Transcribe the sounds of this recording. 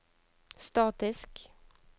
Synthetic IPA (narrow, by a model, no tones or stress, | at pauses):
st̪ɑːt̪ɪsk